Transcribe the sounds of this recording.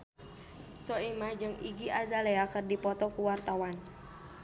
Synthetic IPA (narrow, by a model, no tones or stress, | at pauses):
sɔimad͡ʒɨŋiɡiʔazaleakɨrdipɔt̪ɔkuwart̪awan